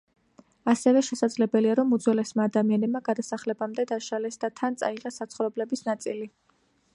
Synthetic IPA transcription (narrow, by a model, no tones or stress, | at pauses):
asɛvɛʃɛsad̪zlɛbɛliaɾɔmud̪zwɛlɛsmaːd̪amianɛbmaɡad̪asaχlɛbamd̪ɛd̪aʃalɛsd̪at̪ʰant̪sʼa̰iʁɛsat̪sχɾɔblɛbisnat̪sʼili